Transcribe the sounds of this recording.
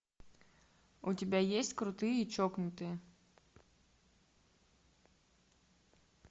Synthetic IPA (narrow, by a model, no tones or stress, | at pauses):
utʲɪbʲajesʲtʲkɾʊt̪ɨjit͡ʃɔknʊt̪ɨ